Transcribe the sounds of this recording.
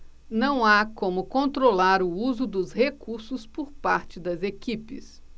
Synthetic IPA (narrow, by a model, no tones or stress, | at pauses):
nɐ̃w̃akõmʊkõnt̪ɾolaɾʊuzʊd̪ʊzhekuɾsʊspʊɾpaɾt͡ʃɪd̪ɐzekipɪ̰s